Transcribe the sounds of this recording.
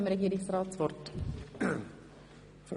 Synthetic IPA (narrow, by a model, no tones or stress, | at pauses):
mɾɛɡiːɾɪŋsɾɑːt̪sfɔɾt̪ | f